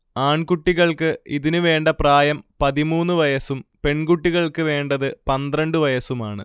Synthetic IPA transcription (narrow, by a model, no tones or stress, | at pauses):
aːɳkuʈːiɣɐɭkɨiðinɨʋe̞ːɳɖɐpraːjɐmpɐðimuːnːɨʋɐjɐsumpe̞ɳkuʈːiɣɐɭkɨʋe̞ːɳɖɐðɨpɐnd̪rɐɳɖɨʋɐjɐsumaːɳɨ̰